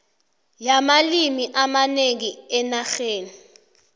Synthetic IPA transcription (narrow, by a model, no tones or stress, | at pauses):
jamalimiʔamaneŋiɛnaxeːni